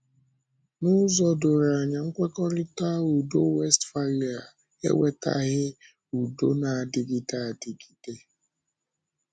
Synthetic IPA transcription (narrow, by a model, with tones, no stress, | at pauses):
nʊ˦zɔ˦dʊ˨ɾa˨ɲa˨ŋ̩˦kʷe˦kɔ˦ɾɪ˦ta˦u˨do˦we˦stfa˦ɾa˨ | ḛ˦we˦ta̰˦ɣɪ˦ | u˨do˦na˨a˨dɪ˨ɡi˦ta˦˨a˨dɪ˨ɡi˨te˦